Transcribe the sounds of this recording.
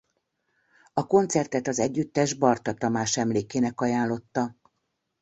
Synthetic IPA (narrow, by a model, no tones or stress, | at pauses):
ɒko̞nt̪sɛrt̪ɛt̪ɒzɛɟːyt̪ːɛʒbɒrt̪ɒt̪ɒmaːʃɛmleːkeːnɛkɒjaːnlo̞t̪ːɒ